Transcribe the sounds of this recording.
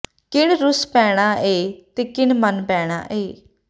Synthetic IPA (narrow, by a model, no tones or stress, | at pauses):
kɪɳɾʊspɛːɽ̃aːʔeːt̪eːkɪɳmənpɛːɽ̃a̰ːʔeː